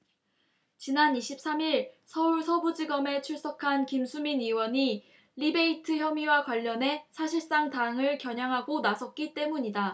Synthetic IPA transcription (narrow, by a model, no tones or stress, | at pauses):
t͡ɕinaniɕʰip̚s͈ʰamiɭsʰʌuɭsʰʌbud͡ʑiɡʌme̞t͡ɕʰuɭs͈ʌkʰankimsʰuminiwʌɲi | ɾibe̞itʰɯçjʌmiwakwaʎːʌne̞sʰaɕʰiɭs͈aŋtaŋɯɭkjʌɲaŋɦaɡonasʰʌt̚k͈it͈e̞muɲida